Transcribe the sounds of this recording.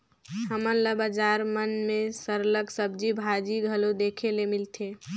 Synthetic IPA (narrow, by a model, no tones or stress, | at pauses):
ɦəmənləbəd͡ʒaɾmənmẽsəɾləksəb̚d͡ʒibʱad͡ʒiɡʱəlod̪ekʰelemilt̪ʰe